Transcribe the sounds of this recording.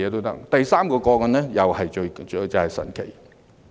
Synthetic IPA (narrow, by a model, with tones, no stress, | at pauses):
ɛː˨˧t̪o˥wt̪ɐ̰˥k̚t̪ɐ˨jsaː˥mkɔː˧kɔː˧kɔ˧nɛː˥jɐ˨whɐ˨jt͡ʃɵ˧ɥt͡ʃt͡sɐ˨˧hɐ˨jsɐ̰˨˩nkʰe˨˩j